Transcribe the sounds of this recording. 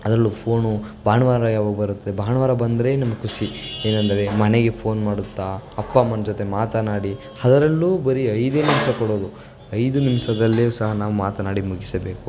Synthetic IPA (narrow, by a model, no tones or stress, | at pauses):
ɐd̪ɾɐlːupʰo̞ːnubʱaːɳɐʋaːɾɐjaːʋaɡɐbɐɾut̪ːɐd̪ebʱaːɳɐʋaːɾɐbɐnd̪ɐɾe̞nɐmːɐkusie̞ːnɐnd̪ɐɾe̞mɐneɡe̞pʰo̞ːnmaːɽut̪ːaɐpːamɐnd͡ʒot̪e̞maːt̪ɐnaːɽi | hɐd̪ɐɾɐlːuːbɐɾiɐjd̪e̞ːnimsɐkɔɽo̞ːd̪u | ɐjd̪unimsɐd̪ɐlːeusɐɦɐnaːʋumaːt̪ɐnaːɽimuɡisɐbe̞ːku